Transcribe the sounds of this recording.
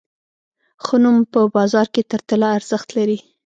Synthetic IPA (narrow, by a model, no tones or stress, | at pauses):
xʊnumpəbɑzɑɾket̪əɾt̪əlaːɾz̥əxt̪laɾi